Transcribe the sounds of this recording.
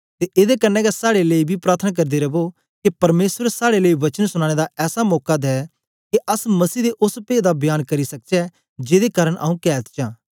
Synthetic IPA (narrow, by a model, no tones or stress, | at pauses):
t̪eʔeːd̪ekɐnːɛɡasaːɽeleibʱipɾaːɾt̪ʰənak̬ɐɾd̪eɾɐbo | kepɐɾmeːswəɾsaːɽeleiʋɐt͡ʃənsʊɽ̃aːɽ̃ed̪aɛːsamɔːkad̪ɦɛ | keʔɐsmɐsiːd̪eʔʊspeːd̪abjaːnkɐɾisɐk̚t͡ʃɛ | d͡ʒeːd̪ekaːɾəɽ̃ʔa̰ːũkɛːt̪t͡ʃãː